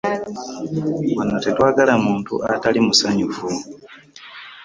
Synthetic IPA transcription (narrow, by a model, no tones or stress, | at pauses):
wanatetwaːɡalamuːntṵʔatalimusaɲuvu